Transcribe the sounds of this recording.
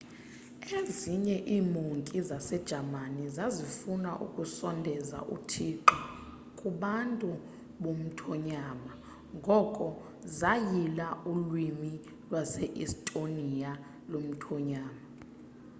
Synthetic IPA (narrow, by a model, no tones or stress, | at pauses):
eziɲɛʔiːmuŋkʼizasɛd̥ʒ̥ʱamanizazifunaʔṵkʼusɔndʱɛza̰ʔṵtʰiǃɔ | kʼuɓantʼu | ɓom̩tʰɔɲaːma | ŋɡʱɔkʼɔ | zajilaulwimi | lwasɛʔistʼonija | lom̩tʰɔɲaːma